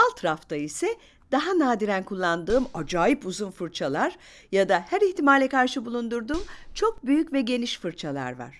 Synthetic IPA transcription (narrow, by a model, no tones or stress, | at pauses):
alˠt̪ʰɾaft̪ʰaisɛ | d̪̥aɦanaːd̪iɾænkʰulˠːand̪ɯːmad͡ʒaːjipuzunfɯɾt͡ʃʰalˠaɾ | jad̪ahæɾiçt̪imalʲɛkaɾʃɯbulˠund̪uɾd̪uːmt͡ʃʰo̞k̚byjycvɛɟe̞niʃfɯɾt͡ʃʰalˠa̰ɾva̰ɾ̥